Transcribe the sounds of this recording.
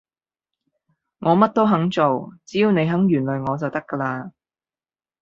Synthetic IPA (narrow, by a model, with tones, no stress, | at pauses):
ŋɔː˨˧mɐ˥t̚t̪o˥wɦɐ˨˥ŋt͡so˨wt͡siː˨˥ji˨˧wne˨˧jɦɐ˨˥ŋjyː˨˩nlɵ˨jŋɔː˨˧t͡sɐ˨wt̪ɐ˥kːɐː˧laː˧